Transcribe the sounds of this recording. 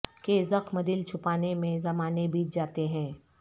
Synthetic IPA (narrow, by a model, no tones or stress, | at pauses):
kezəqmɐd̪ɪlt͡ʃʰʊpaːnemẽzɐmaːnebʱiːt͡ʃd͡ʒaːt̪eɦɛ̃ː